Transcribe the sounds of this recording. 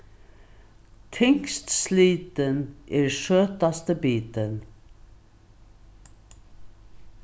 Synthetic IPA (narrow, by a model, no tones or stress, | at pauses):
t̪ʰɪŋkst̪sliːt̪ənʔɛːɹʃøːt̪ast̪əbiːt̪ən